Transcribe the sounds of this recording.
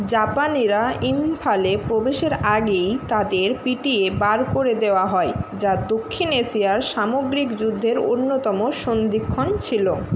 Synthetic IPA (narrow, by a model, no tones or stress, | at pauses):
d͡ʑapaniɾaimfʰalepɾobeʃeɾaɡejt̪ad̪eɾpiʈiebaɾkoɾed̪eoaɦɔed͡ʑad̪okʰːineʃijaɾʃamoɡɾikd͡ʑud̪ʱːeɾonːot̪ɔmoʃond̪ikʰːont͡ɕʰilo